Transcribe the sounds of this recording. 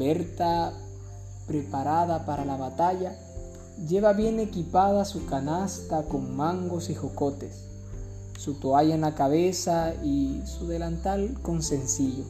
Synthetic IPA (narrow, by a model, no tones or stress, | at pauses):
eɾt̪a | pɾe̞paɾaðapaɾalaβat̪aʝa | ʝe̞βaβje̞ne̞kipaðasukanast̪ako̞ŋmãŋɡo̞sixoko̞t̪e̞sː | ut̪oajaenlakaβe̞saisuðe̞lant̪alko̞nse̞nsiʎo